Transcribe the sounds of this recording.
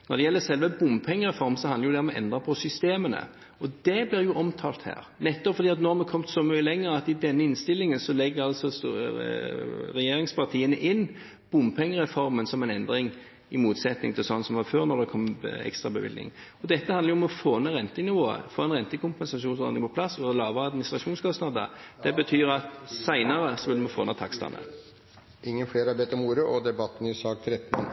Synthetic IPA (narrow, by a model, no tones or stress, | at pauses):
nɔɾd̪ɛjɛlːəsɛlʋəbʊmpʰɛŋːəɾɛfɔɾmsɔhɑnəɾjʊd̪ɛɔmɔʔɛ̰nd̪ɾɑpʰɔsʏst̪eːmənə̰ | ɔd̪ɛblɪɾjʊʔɔmt̪ʰɑːlt̪hæ̰ːɾnɛt̪ːɔpfɔd̪iːɑt̪nɔɑmɛkʰɔmt̪sɔmyːəlɛŋːəɾəɑt̪ɪd̪ɛnːəɪnst̪ɪlːɪŋənsɔlɛɡːəɾɑlsɔs | ɾɛjeːɾɪŋspʰɑʁt̪ʰiːənəʔɪnː | b̥ʊmpʰɛŋːəɾɛfɔɾmənsɔmɛnɛnd̪ɾɪŋ | ɪmuːt̪sɛt̪nɪ̰ŋt̪ʰɪlsɔnsɔmʋɑːføːɾnɔd̪ɛkʰɔmɛ̰kst̪ʁɑbəʋɪ̰d̪nɪ̰ŋɔd̪ɛt̪ːəhɑnəjʊmɔfoːnəʁɛnt̪ənɪʋoːə̰foːɛnʁɛnt̪əkʰʊmpɛnsɑʃuːnso̰ːd̪ɪŋpʰɔpʰlɑsɔlɑːʋəɑd̪mɪnɪst̪ʁɑʃuːnskʰɔstnɑd̪ə̰d̪̥ɛbət̪ʰyːɾɑt̪sæɪnɑɾəsɔʋɪlmɔfo̰ːnɑt̪ʰɑkst̪ɑ̰nə̰ | ʔɪŋːənfleːɾɑbɛt̪ːɔmuːɾəʔɔd̪ɛbɑt̪ːn̩ɪsɑːk̚t̪ʰɾɛt̪ːn̩